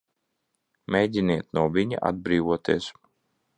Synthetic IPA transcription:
mʲejd͡ʑʲiniɛt̪nuɔviɲa̰ʔa̰d̪̚bɾiːvuɔt̪iːs

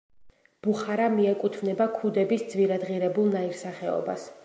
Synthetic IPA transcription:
b̥uχaɾamiɛkʼut̪ʰvnɛbakʰud̪ɛbisd̪zviɾad̪ʁiɾɛbulˠnaiɾsaχɛɔ̰ba̰s

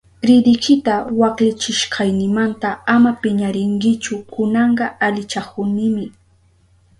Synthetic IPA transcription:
ɾɪd̪ɪkʰɪt̪awɑqlɪt͡ʃɪʃqʰɑjnɪmant̪aamapɪɲaɾɪŋkɪt͡ʃʊkʊnɑɴɢɑalɪt͡ʃakʊnɪmɪ

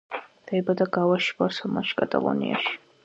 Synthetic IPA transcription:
d̪ɛbad̪aɡawaʃbasɔlˠmaʃkʼat̪ʼa̰lˠɔ̰nḭaʃi̥

